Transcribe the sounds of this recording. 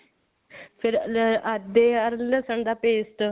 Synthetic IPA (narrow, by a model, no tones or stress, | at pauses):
pʰɪɾəd̪eːəɾləsəɳd̪aːpeːsʈ